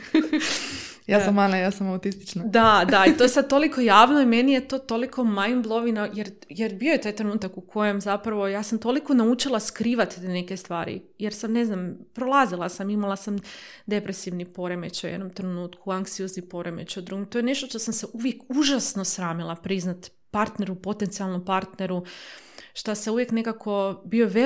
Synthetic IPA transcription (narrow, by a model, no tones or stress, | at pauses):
jaːsamːanajaːsamawt̪ist̪i̥t͡ʃnad̪ad̪ait̪o̞jesad̪̚t̪o̞likʰo̞jaːʋnoimenije̞t̪o̞ːt̪o̞likʰo̞majnblˠo̞ʋinajeɾjeɾbijojet̪aːjt̪ɾenuːt̪akukʰo̞jemzapɾaʋo̞jaːsamt̪oliko̞naut͡ʃilˠaskɾiːʋat̪it̪ene̞ke̞st̪ʋaːɾḭjeɾsamne̞znampɾolˠazilˠasamimalˠasamd̪e̞pɾesiʋnipo̞ɾe̞me̞t͡ɕojed̪nomt̪ɾenuːt̪kʰuaŋksijo̞znipo̞ɾemḛt͡ɕud̪ɾuɡimt̪o̞jene̞ʃt̪oʃt̪osamseʔuʋje̞kuʒasno̞sɾaːmilˠapɾiznat̪ | paɾt̪ne̞ɾupo̞t̪e̞nt̪sialˠnompaɾt̪ne̞ɾu | ʃt̪aseuʋje̞kne̞kakʰo̞bio̞ʋe